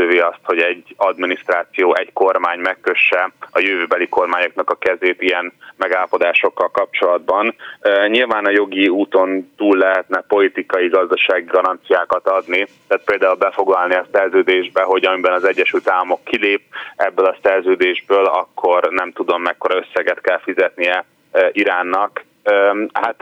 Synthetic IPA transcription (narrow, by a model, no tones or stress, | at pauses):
øːveːɒst̪ho̞ɟɛɟːɒd̪minist̪raːt̪sijoːɛɟko̞rmaːɲmɛkːø̞ʃːɛɒjøvøːbɛliko̞rmaːɲo̞knɒkɒkɛzeːt̪iɛnmɛɡaːlːɒpo̞d̪aːʃo̞kːɒlkɒp̚t͡ʃo̞lɒd̪̚bɒnɲilvaːnɒjo̞ɡiuːt̪o̞nt̪uːlːɛɦɛt̪nɛpo̞lit̪ikɒjiɡɒzd̪ɒʃaːɡiɡɒɾɒnt̪sijaːkɒt̪ɒd̪nit̪aːt̪̚peːld̪aːulbɛfo̞ɡlɒlniɒsɛrzøːd̪eːʒbɛɦo̞ɟɒmibɛnɒzɛɟːɛʃylt̪aːlːɒmo̞kːileːpɛbːølɒsɛrzøːd̪eːʒbøːlɒ̰kʰːo̞rnɛmt̪ud̪o̞mːɛkːo̞ɾɒø̞sːɛɡɛt̪kɛlfizɛt̪nijɛ | ʔiɾaːnːɒk | hat̪